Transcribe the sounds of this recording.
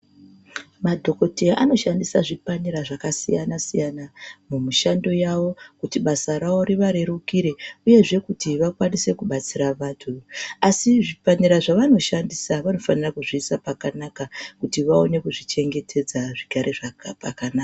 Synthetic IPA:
madʱo̞ko̞teaʔano̞ʃandisaʐipaniɾaʐakasijanasijanamumuʃando̞jawo̞kutiɓasaɾawo̞ɾiʋaɾe̞ɾukiɾe̞uje̞ʐe̞kutiʋakwanise̞kuɓat͡siɾaʋaːtʰuasiʐipaniɾaʐaʋano̞ʃandisaʋano̞fanirakuʐiːsapakanakakutiʋao̞ne̞kuʐit͡ʃe̞ŋɡe̞tʰe̞d͡zaʐikaɾeʐapakanaka

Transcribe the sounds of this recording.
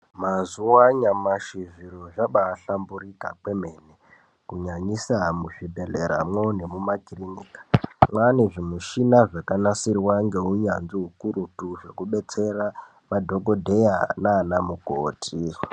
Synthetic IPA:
mazuwaɲamaʃiʐiroʐaɓaːɬambuɾika̰kwe̞me̞ne | kuɲaɲisamuʐibʱeɮeɾa̰mwone̞mumakiriniːkḁmwaneʐimuʃinaʐakanasirwaŋɡe̞ɦuɲanziɦukuɾutuʐe̞kuɓe̞t͡se̞ra | madʱo̞ɡo̞dʱe̞janaːnamuko̰ːtʰi

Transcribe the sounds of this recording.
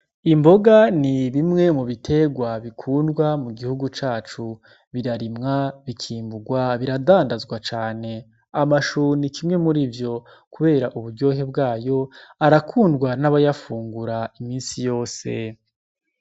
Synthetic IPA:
imbo̞ɡaniβimŋe̞muβitʰe̞ɡwaβikʰuːndɡwamuɡihuɡut͡ʃaːt͡ʃu | βiɾaɾimŋaβikʰiːmbuɡwaβiɾadaːndazɡwat͡ʃaːne̞ | amaʃuːnikʰimŋe̞muɾivjo̞ | kuβe̞ːɾaʔuβuɾɟo̞ːɦe̞bɡaːjo̞aɾakʰuːndɡwanaβajafuːŋɡuɾaimiːnsijo̞ːse̞

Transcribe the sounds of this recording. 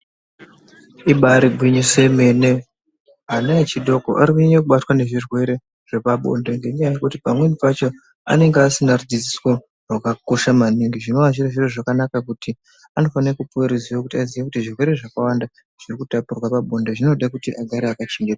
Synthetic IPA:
iɓaɾiɡʱwiɲise̞me̞ne | anat͡ʃiɗʱo̞ko̰ʔaɾikuɲeɲekuɓatwane̞ʐirwe̞ɾe̞ | ʐ̥e̞paɓo̰nde̞ŋɡe̞ɲajaje̞kutipamwe̞nipat͡ʃo̞ | a̰ne̞ŋɡeasinarud͡zid͡ziswo | rakako̞ʃamaniŋɡiʐino̞aʒireʐiroʐakanakakuti | ano̞fanekupoeɾiziwokutiaziʋekutiʐirwe̞ɾe̞ʐakawanda | ʐ̥irikutapurwapaɓo̞ndeʐino̞ɗakutiʔaɡʱaɾeakat͡ʃeŋɡeta

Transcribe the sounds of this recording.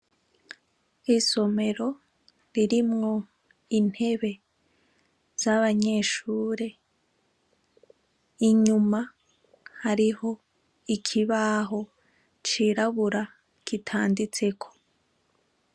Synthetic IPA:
iso̞me̞ɾo̞ | ɾiɾimŋo̞ | in̥he̞βe̞ | z̥aβaɲe̞ːʃuːɾe | iɲuma | haɾiho̞ | ikʰiβaːɦo̞ | t͡ʃiɾaβuɾa | kitʰaːndit͡se̞kʰo̞̥

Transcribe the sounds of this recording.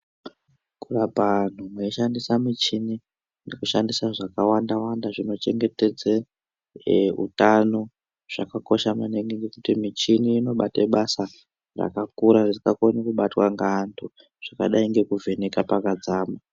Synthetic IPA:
kurapan̤umweiʃandisamit͡ʃini | nekuʃandisaʐakawandawandaʐino̞t͡ʃe̞ŋɡe̞te̞d͡ze | ṵtano̞ | ʐ̥akako̞ʃamaneŋɡeŋɡekutimit͡ʃiniːno̞ɓateɓasa | ra̰kakuɾaresikakonekuɓatwaŋɡantʰu | ʐ̥aka̰ɗaiŋɡe̞kuvʱe̞nekapakad͡zaːma

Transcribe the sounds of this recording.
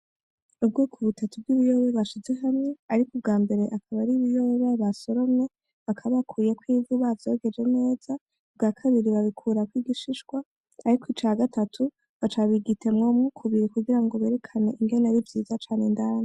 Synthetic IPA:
ubɡoːkʰuβutʰatub̚ɡiːβijoβeβaʃize̞ɦamŋe̞aɾikub̚ɡaːmbe̞ɾe̞ʔakʰaβaɾiβijoββaβaso̞ɾo̞mɲe̞ | βakʰaβakʰuːjekwiːvuβavjo̞ɡe̞d͡ʒe̞ne̞ːz̥a | b̚ɡaːkʰaβiɾiβaβikʰuɾakwiːɡiʃiʃɡwaː | ɾikwit͡ʃaɡatatʰu | βat͡ʃaβiɡitʰe̞mŋomŋukʰuβiɾikuɡiɾaŋɡoβe̞ːɾe̞kʰane̞ʔiŋɡe̞naɾivjiːzat͡ʃaːne̞ndaːne

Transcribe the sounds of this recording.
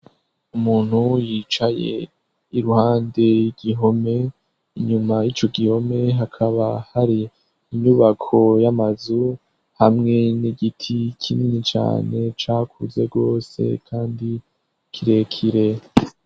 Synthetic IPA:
umuːn̥hujiːt͡ʃaje̞̰ | iɾuhaːnde̞iɡ̥iɦo̞me̞ | iɲumait͡ʃo̞ɡiho̞me̞ɦakʰaβahaɾiː | ɲuβakʰo̞jamazu | hamŋe̞niɡitʰikʰininit͡ʃa̰ːne̞t͡ʃaːkʰuze̞ɡo̞ːse̞̰kʰaːndi | kʰiɾe̞kʰiɾe̞

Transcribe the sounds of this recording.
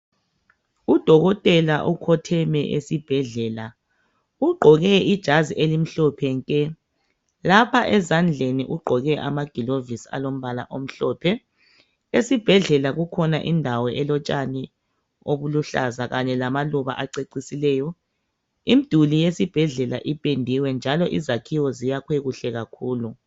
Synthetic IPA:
ud̥ʱɔɣɔtʼɛlaʔukʰɔtʰɛmɛ̰ʔḛsib̥ʱɛɮɛːla | uɡ͡ǃʱɔɣɛid̥ʒ̥ʱaziʔelim̩ɬɔpʰɛŋkʼɛ | lapʰaʔɛzand͡ɮʱenḭʔuɡ͡ǃʱɔɣɛʔa̰maɡ̥ʱilovisa̰lom̩βala̰ʔom̩ɬɔːpʰɛ | esib̥ʱɛɮɛlaɣukʰɔna̰ʔindʱawɔʔɛlɔt͡ʃʼani | oβuluɬa̰zaɣaɲɛlamaluβa̰ʔaǀeǀisilɛːjɔ | im̩d̥ʱulijesib̥ʱɛɮɛla̰ʔipʼendʱiwɛnd͡ʒʱalɔʔizakʰiwɔzijakʰweɣuɬɛɣakʰuːlu

